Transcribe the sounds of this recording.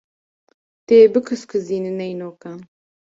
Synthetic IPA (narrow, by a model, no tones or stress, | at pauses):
t̪eːbɨkʰɨskʰɨziːnɨnɛjnoːkaːn